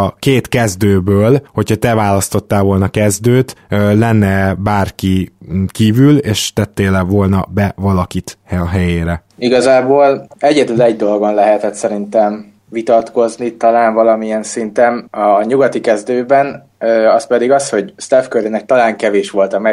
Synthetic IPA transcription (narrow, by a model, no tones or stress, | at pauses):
ɒkeːt̪kɛzd̪øːbøːlho̞chɒt̪ɛvaːlɒst̪o̞t̪ːaːlvo̞lnɒkɛzd̪øːt̪lɛnːɛbaːrkikiːvyleːʃt̪ɛt̪ːeːlɛvo̞lnɒbɛvɒlɒkit̪hɒɦɛjeːɾɛiɡɒzaːboːlɛɟɛd̪ylɛɟd̪o̞lɡonlɛɦɛt̪ɛt̪sɛɾint̪ɛm | vit̪ɒt̪ko̞znit̪ɒlaːnvɒlɒmiɛnsint̪ɛnːɲuɡɒt̪ikɛzd̪øːbɛn | øɒspɛd̪iɡɒsho̞ɟst̪afkøɾinɛk̚t̪ɒlaːŋkɛveːʃʋo̞lt̪ɒmɛ